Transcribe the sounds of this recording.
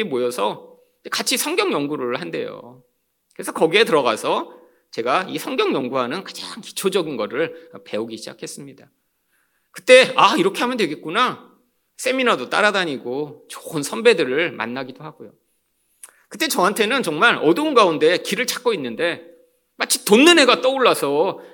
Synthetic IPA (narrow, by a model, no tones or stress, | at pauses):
imojʌsʰʌ | ekat͡ɕʰisʰʌŋɡjʌŋjʌŋɡuɾɯɭhande̞̰jo̰ | kɯɾe̞sʰʌkʌɡie̞tɯɾʌɡasʰʌ | t͡ɕe̞ɡaisʰʌŋɡjʌŋjʌŋɡuɦanɯnkḁd͡ʑaŋki̥t͡ɕʰod͡ʑʌɡinɡʌɾɯɭpe̞uɡiɕʰid͡ʑa̰kʰe̞s͈ɯmɲida | kɯ̥t͈e̞aiɾʌkʰe̞ɦamjʌndwe̞ɡet̚k͈una | s͈e̞minadot͈a̰ɾadaɲiɡot͡ɕo̥ɯnsʰʌnbe̞dɯɾɯɭma̰nːaɡidohaɡojo | kɯt͈e̞t͡ɕʌɦantʰe̞nɯnt͡ɕʌŋmaɾʌduunɡaunde̞kiɾɯɭt͡ɕʰḁk͈oinːɯnde̞ | mat͡ɕʰi̥tonːɯne̞ɡat͈ʌuɭːasʰʌ